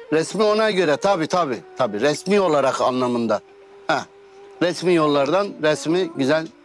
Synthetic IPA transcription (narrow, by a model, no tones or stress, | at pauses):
ɾɛsmio̞naɟø̞ɾɛt̪ʰabiːt̪ʰabiːt̪ʰabiːɾɛsmiːo̞lˠaɾaqa̰nlˠamɯnd̪a | hɛ | ɾɛsmiːjo̞lˠːaɾd̪anɾɛsmiɟyzælʲ